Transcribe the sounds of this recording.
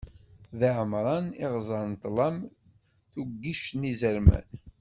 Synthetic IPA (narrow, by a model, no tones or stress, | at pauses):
ðiʕəmɾˤɑniʁzˤɑɾˤnt̪ːlˤɑm | θuɡːiʃnizəɾmæ̰n